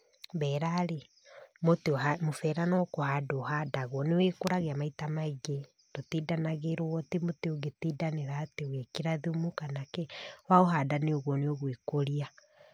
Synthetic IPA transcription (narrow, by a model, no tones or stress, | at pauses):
βɛɾaɾe | moteamofɛɾanɔkohadoːhadaɣwɔnewekoɾaɣeamaitamaiɣe | dotidanaɣeɾowɔtemoteoɣetidaneɾaːteoɣekiɾaðumukanakɛwaoɦadaneoɣwɔneoɣwekoɾia